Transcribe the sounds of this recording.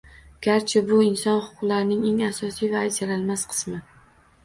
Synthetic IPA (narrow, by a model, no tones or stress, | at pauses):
ɡ̥ʲaɾt͡ʃʰɪbʊɪnsɒnχʊ̥qʰʊqlaɾɪnɪŋe̞ŋasɒsijvajd͡ʒaɾalmasqʰɨ̥smɪ